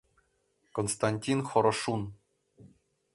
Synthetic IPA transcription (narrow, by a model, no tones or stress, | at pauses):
konst̪ɑnʲtʲinχɤ̆ɾɤ̆ʂun